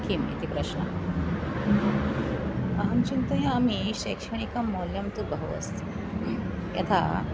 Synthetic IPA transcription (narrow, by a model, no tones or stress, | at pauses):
kʰimḭt̪ipɾəɕɳə̰ | aɦəmt͡ɕint̪əjĩamiɕekʂɐɳ̃ikəmːoljəmt̪ubəɦo̰ə̰s | jḛt̪ʰa̰